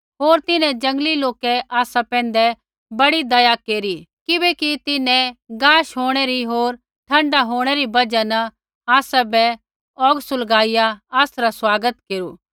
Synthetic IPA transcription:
ɦoːɾt̪ɪnɛ̃d͡ʒɐ̃ŋɡliloːkɛʔaːsapɛ̃ːnd̪ɛ | bɐɽid̪ɐjakeːɾikɪbɛkit̪ɪnɛ̃ɡaːʃɦoːɽ̃ɛɾiɦoːɾ | ʈʰɐ̃ɳɖaɦoːɽ̃ɛɾibɐd͡ʒanɐ | aːsabɛ | ɔːɡsʊlɡaːijaaːsɾaswaːɡət̪keːɾuː

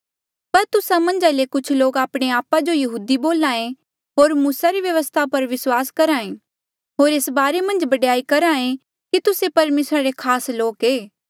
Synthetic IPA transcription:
pɐɾt̪ʊsamɐ̃nd͡ʒalekʊt͡ʃʰloːkaːpɽ̃eaːpad͡ʒojɐɦuːd̪iboːlãːẽ | ɦoːɾmuːsaɾiʋjɐʋəst̪ʰapɐɾʋɪswaːskɐɾaːẽ | ɦoːɾeːsbaːɾemɐ̃nd͡ʒbɐɖjaːikɐɾãːẽ | kit̪ʊsepɐɾmeːsɾaɾekʰaːsloːkeː

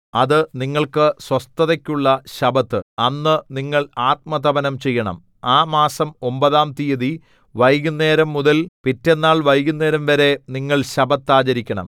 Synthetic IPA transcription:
ɐðɨniŋːɐɭkɨswɐst̪ɐðɐkʲːuɭːɐɕɐbɐt̪ːɨɐnːɨniŋːɐɭaːt̪̚mɐt̪ɐbɐnɐmt͡ɕe̞jːɐɳɐ̰m | aːmaːsɐmo̞mbɐðaːmt̪ijɐði | ʋɐjɣunːe̞ːɾɐmːuðɐlpitːe̞nːaːɭʋɐjɣunːe̞ːɾɐmʋɐɾe̞niŋːɐɭɕɐbɐt̪ːaːd͡ʑɐɾikʲːɐɳɐ̰m

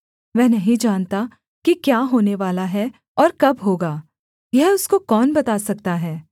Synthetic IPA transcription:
ʋɛ̃ːnɐɦĩd͡ʒaːnt̪a | kikjaːɦoːneʋaːlaɦɛ | ɔːɾkɐbɦoːɡaː | jɛɦʊskokɔːnbɐt̪aːsɐk̚t̪aɦɛː

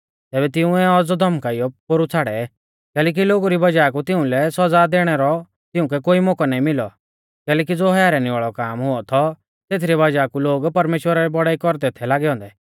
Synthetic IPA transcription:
t̪ɛːbɛt̪ɪũɛɔd͡zɔd̪ʱɐmkaijɔpoɾut͡sʰaːɽɛ | kɛːlɛːk̬iloːɡuɾibɐd͡ʒaːkut̪ɪũlɛsɔd͡zad̪eːɽ̃ɛɾɔ | t̪ɪʊ̃k̬ɛkoːimɔkɔnaːĩmɪlɔ | kɛːlɛːk̬id͡zoːɦɐjaːɾanĩʋaːɭɔkaːmɦʊɔt̪ʰɔ | t̪eːt̪ʰɾibɐd͡ʒaːkuloːɡpɐɾmeːʃwəɾaɾɛbɔɽaːikɔɾd̪ɛt̪ʰɛlaːɡɛɦɔ̃ːnd̪ɛ

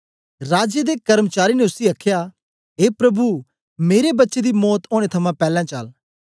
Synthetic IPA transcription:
ɾaːd͡ʒed̪eːkɐɾmət͡ʃaːɾiːnẽʊsiɐkʰːjaː | ɦeːpɾɐbu | meːɾebɐtːʃed̪imɔːt̪oːɽ̃et̪ʰɐmãpɛːlãːt͡ʃɐ̰l

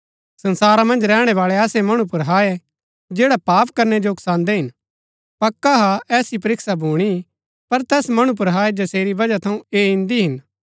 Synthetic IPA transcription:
sɐ̃nsaːɾamɐ̃nd͡ʒɾɛːɽ̃ɛʋaːɭeaːsemɐɽ̃upʊɾɦaːe | d͡ʒeːɽapaːpkɐɾnɛd͡ʒoʊksãːnd̪ɛɦɪn | pɐkːaɦaɛːsip̬ɐɾɪksabʱuːɽ̃i | pɐɾt̪ɛːsmɐɽ̃up̬ʊɾɦaːed͡ʒɐseːɾibɐd͡ʒat̪ʰɐũeːɪ̃nd̪iɦɪn

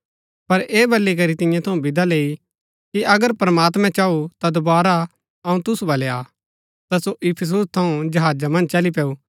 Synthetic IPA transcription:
pɐɾeːbɐlːik̬ɐɾit̪ɪ̃jãt̪ʰɐũbɪd̪aleːi | kiʔɐɡəɾpɾɐmaːt̪mɛ̃t͡ʃaːut̪ad̪obaːɾa | ɐũt̪ʊsubɐleaː | t̪asoʔɪpʰɪs̬ust̪ʰɐũd͡ʒɐɦaːd͡ʒamɐ̃nd͡ʒt͡ʃɐlip̬eːu

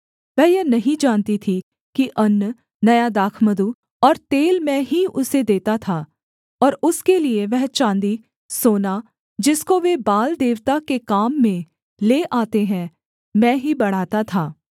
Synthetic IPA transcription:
ʋɛ̃ːjɐnɐɦĩd͡ʒaːnt̪it̪ʰi | kiʔɐnː | nɐjad̪aːkʰməd̪u | ɔːɾt̪eːlmɛ̃ɦiʊsed̪eːt̪at̪ʰaː | ɔːɾʊskelieʋɛɦt͡ʃãːnd̪i | soːna | d͡ʒɪskoʋebaːld̪eːʋt̪akekaːmːẽ | leːʔaːt̪eɦɛ̃ | mɛ̃ːɦibɐɽ̤aːt̪at̪ʰaː

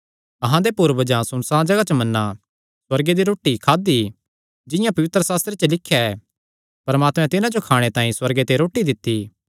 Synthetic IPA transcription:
ɐɦãd̪epuːɾbɐd͡ʒãsʊnsãd͡ʒɐɡat͡ʃəmɐnːa | swɐɾɡed̪iɾoːʈːikʰaːd̪i | d͡ʒɪjãpɐʋɪt̪ɾəsaːst̪ɾet͡ʃəlɪkʰːjaɛ | pɐɾmaːt̪mɛ̃t̪ɪnãd͡ʒokʰaːɽ̃et̪ãːĩswɐɾɡet̪eɾoːʈid̪ɪt̪ːi

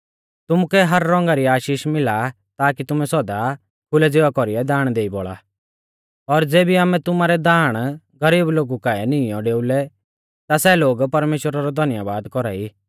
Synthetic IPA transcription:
t̪ʊmʊkɛɦɐɾːɔ̃ŋɡaɾiaːʃiːʃmɪla | t̪aːkit̪ʊmɛsɔd̪a | kʰʊlɛd͡zeːʋakɔɾiɛd̪aːɽ̃d̪eːibɔɭa̰ | ɔɾd͡zeːbiaːmɛ̃t̪ʊmaɾɛd̪aːɽ̃ | ɡɐɾiːbloːɡukaɛnɪ̃jɔ̃ɖeːʊlɛ | t̪asɛloːɡpɐɾmeːʃwəɾaɾɔd̪ʱɐnjaʋaːd̪kɔɾa̰ːi

